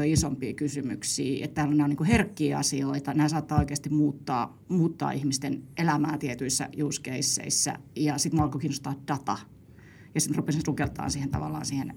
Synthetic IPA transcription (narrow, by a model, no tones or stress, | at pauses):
oisompiːkysymy̰ksḭːḛt̪t̪æːloneoniːŋkuherkːiːɑ̰sioit̪ɑnæːsɑːt̪ːɑːoikeɑst̪immuːt̪ːɑ̰ː | muːt̪ːɑ̰ːihmist̪enʔelæmæ̰ːt̪iet̪yisːæ̰juːskeisːḛisːæ̰jɑsit̪muɑlkokiːnost̪ɑːtd̥ɑt̪ɑ | jɑsit̪rupːest̪ukelt̪ɑ̰ːnsiːhent̪ɑ̰ʋɑ̰lːˑɑ̰ːnsiːhen